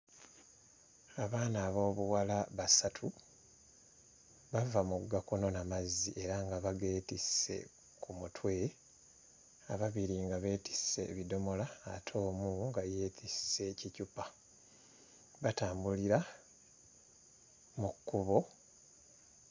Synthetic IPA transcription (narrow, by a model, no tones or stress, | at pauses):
aβaːnaːβo̞ːβuwalaβasatʰu | βavamuɡakuno̞namaziʔe̞ɾaŋɡaβaɡe̞ːtise̞̰ | kʰumutwe̞ | aβaβiɾiŋɡaβe̞ːti̥se̞̰βido̞mo̞laːtʰo̞ːmuŋɡaje̞ːtʰisse̞cicupa | βataːmbuliɾa | mukːuβo̞